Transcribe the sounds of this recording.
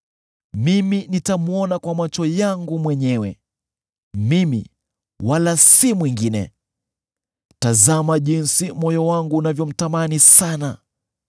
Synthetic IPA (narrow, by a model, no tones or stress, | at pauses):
miminitamuɔnakwamat͡ʃɔjaŋɡumwɛɲɛwɛ | mimḭ | walasimwiŋɡinɛ̰ | tazamaʄinsimɔjɔwaŋɡuːnavjɔm̩tamanisana